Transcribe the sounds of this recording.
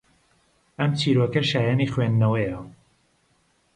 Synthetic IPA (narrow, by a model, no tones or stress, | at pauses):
ɐmt͡ʃʰiːɾokɐʃaːjaːniːxwenːɐwɐjɐ